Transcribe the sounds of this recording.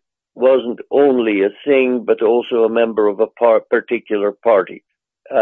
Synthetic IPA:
wʌzn̩tõʊ̃nliɨsɪ̃ŋbʌɾɔlˠsoʊəmɛ̃mbə˞ʌvəpʰɑɹpʰə˞tʰɪkʰjl̩ˠə˞pʰaɹɾḭ

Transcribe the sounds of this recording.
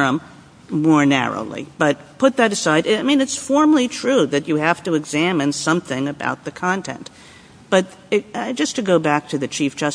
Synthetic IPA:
ʌ̃m | mɔɹnæ̰ɹo̰ʊlˠḭb̥ʌt̚pʰʊt̪̚ðɨɾɨsaɪɾaɪmĩnɨtsfɔɹml̩ˠitʰɹ̥ʉðɨt͡ʃɨhæftɨɨɡzæ̃mɨ̃nsʌ̃mθɪ̃ŋɨba̰ʊt̪̚ðɨkʰɑ̃ntʰɛ̰̃n | b̥ʌɾ | d͡ʒʌstʰɨɡoʊbæk̚tʰɨðɨt͡ʃʰifd̥ʒ̥ʌs

